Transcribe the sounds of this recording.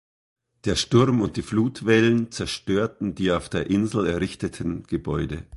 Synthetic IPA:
d̥eːɐʃtʊɐmʊnt̚d̥iːfluːtv̥ɛlənt͡sɛɐʃtøːɐtn̩diːaʊfd̥eːɐʔɪnzl̩ɛɐʁɪçtətʰən̩ɡ̥əbɔʏdə

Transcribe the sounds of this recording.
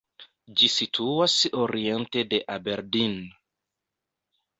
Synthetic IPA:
d͡ʒisitʰuasoɾientedeʔabeɾdin

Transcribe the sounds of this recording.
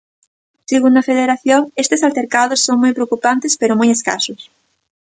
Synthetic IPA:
seɣund̪ɐfeðeɾaθjoŋest̪esalt̪eɾkað̞osːoŋmojpɾeokupant̪espeɾomojeska̰sʊs

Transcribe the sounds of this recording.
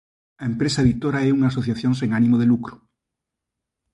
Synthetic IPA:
aempɾesaðit̪oɾaɛuŋaːsoθjaθjoŋseŋanĩmoð̞elukɾo̥

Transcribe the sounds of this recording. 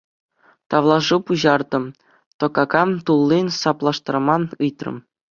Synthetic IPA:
t̪ɑʋlˠɑʐɯpuʑɑrd̪ɤ̆m | t̪ŏkɑkɑmt̪ulˠːinʲsɑplˠɑʂt̪ɑrmɑnɯjt̪rɤ̰̆m

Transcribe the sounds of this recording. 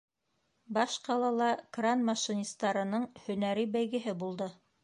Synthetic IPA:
bɑʃqɑlˠɑlˠɑkranmɑʃinʲist̪ɑɾɤ̆nɤɴhɵ̆næɾibæjɡɘ̆ɦɘbulˠd̪ɤ

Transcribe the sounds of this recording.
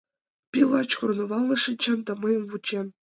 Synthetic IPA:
pʲilˠɑt͡ɕkurnŏʋɑlˠnɤ̆ʂɘnʲt͡ɕɤ̆nt̪ɑ̆mɤ̆jɤ̆mvut͡ɕːen

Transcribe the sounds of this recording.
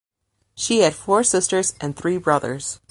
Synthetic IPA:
ʃiɨd̥fɔɹsɪstə˞zʔɨ̃nθɹibɹʌðə̰˞z̥

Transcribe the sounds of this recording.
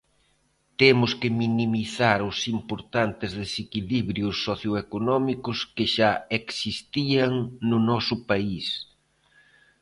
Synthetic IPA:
t̪emʊskɪminimiθaɾʊsimpoɾt̪ant̪ɪzðesekiliβɾjʊsːɔθjoekonɔmikʊskɪʃaeksist̪iaŋnʊnɔsʊpais

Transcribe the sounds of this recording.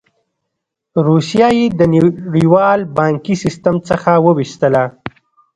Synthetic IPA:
ɾusjɑjed̪ənɽiwɑlbɑŋkisɪst̪əmt͡səxawəwiʃt̪əla

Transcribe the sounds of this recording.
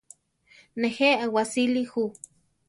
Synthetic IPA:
neheʔawasilihu

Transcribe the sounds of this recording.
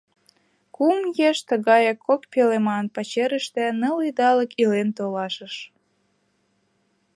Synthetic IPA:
kumjeʃt̪əɣɑjɑkʰːokpelemɑnpɑt͡ɕeɾəʃt̪ĕnəlid̪ɑləkilent̪olɑʃəʃ

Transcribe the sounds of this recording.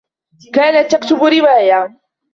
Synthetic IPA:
kaːnat̪ːakt̪ʊbɾɪwaːja

